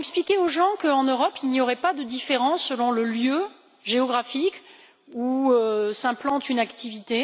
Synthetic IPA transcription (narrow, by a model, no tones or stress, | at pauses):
ɛksplikʲeoʒɑ̃kəɑ̃nøʁɔpilnijɔʁɛpad̪əd̪ifeʁɑ̃sːəlɔ̃ləljø | ʒeɔɡʁafik | uøsɛ̃plɑ̃t̪ynakt̪ivit̪e